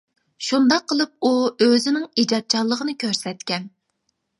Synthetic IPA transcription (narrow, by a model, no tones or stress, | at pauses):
ʃund̪ɑqʰːəlˠɨp̚uøzɪnɪŋid͡ʒɑt̪̚t͡ʃʰɑlˠːəʁənɨkʲʰøɾsɛt̪kʲɛn